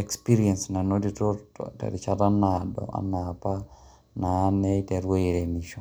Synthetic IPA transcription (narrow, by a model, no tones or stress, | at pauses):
ɛkspiɾiɛnsnanoditotɔ̰tɛ̰ɾit͡ʃatanadɔ̰a̰napa | nanɛitɛɾwoiɾemiʃo